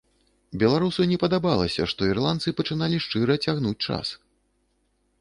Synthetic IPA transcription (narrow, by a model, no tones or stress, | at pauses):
bʲɛlˠaɾusɐnʲɛpɐd̪abalˠɐ̰sʲɐ̰ʂt̪ɔirlˠant̪sɨpɐt͡ʂɨnalʲiʂt͡ʂɨɾɐt͡sʲaɣnut͡sʲt͡ʂa̰s